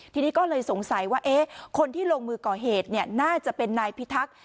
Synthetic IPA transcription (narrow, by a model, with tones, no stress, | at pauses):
t̪ʰiː˧niː˦˥kɔː˥˩lɤː˧jso˩˦ŋsa˨˦jwaː˥˩ʔeː˦˥kʰo˧nt̪ʰiː˥˩loː˧ŋmɯː˧kɔː˨˩ɦeː˨˩t̪̚ni˥˩ɐənaː˥˩t͡ɕa˨˩pe˧nːaː˧jpʰi˦˥t̪ʰa˦˥k̚